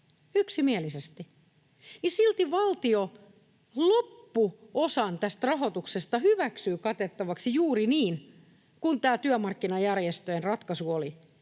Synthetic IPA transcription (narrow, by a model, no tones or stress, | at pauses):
yksimielisest̪i | jisilt̪iʋɑlt̪io | lopːuosɑnt̪æst̪rɑɦo̞t̪uksest̪ɑhyʋæksyːkɑt̪et̪ːɑʋɑksijuːriniːn | kunt̪æːt̪yømɑrkːinɑjærjest̪øenrɑt̪kɑsuoli